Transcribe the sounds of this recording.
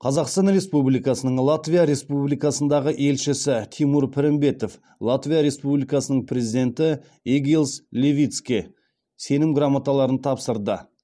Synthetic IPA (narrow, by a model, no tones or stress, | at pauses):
qʰɑzɑqst̪ɑnɾe̞spublijkɑsənəɴlˠat̪vʲijaɾe̞spublijkɑsənd̪ɑʁəʔe̞lʃɪsɪt̪ʰimuɾpʰɪɾɪmbe̞t̪o̞f | lˠat̪vʲijaɾe̞spublijkɑsənəɴpʰɾʲe̞zid̪ʲe̞nt̪ɪ | eɡʲilˠslʲevʲijt̪skʲi | se̞nɪmɡramat̪ɑlˠɑɾənt̪ʰɑpsəɾd̪ə